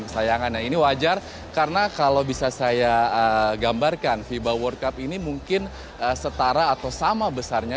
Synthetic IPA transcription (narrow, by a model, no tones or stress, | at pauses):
əsajaŋanjainiwad͡ʒar | karnakalowbisasajaəɡambarkanfibawɔrkapinimuŋkɪn | əsət̪aɾaːt̪awsamabəsarɲa